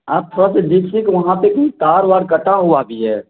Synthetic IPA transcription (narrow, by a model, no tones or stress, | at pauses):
aːb̚t̪ʰɾased̪ɪsikʋɐɦãpekit̪aːɾʋaːɾkəʈaɦuabʱiɦɛː